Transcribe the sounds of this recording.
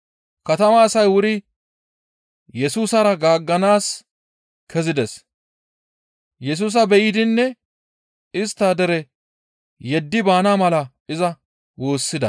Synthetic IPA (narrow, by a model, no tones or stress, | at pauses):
kɐt̪ɐmaːsɐjwʊɾɪ | jɛsuːsɐɾɐɡaːɡːɐnaːs | kʰɛzɪd̪ɛs | jɛs̬uːs̬ɐbɛjɪd̪ɪnːɛ | ɪst̪ːad̪ɛɾɛ | jɛd̪ːɪbaːnamɐlɐ | ɪzɐ | wo̞ːsːɪd̪ɐ